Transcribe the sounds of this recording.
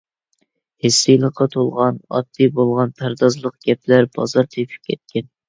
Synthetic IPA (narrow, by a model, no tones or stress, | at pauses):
hesːɨjlˠəqʰːɑt̪ʰolˠʁɑnɑ̰t̪ʰːɨbolˠʁɑnpʰæɾd̪ɑzlˠəq̚ɡ̥ʲɛplæɾb̥ɑzɑɾt̪ʰepʰɪ̥p̚kʲʰɛt̪̚kʲʰɛn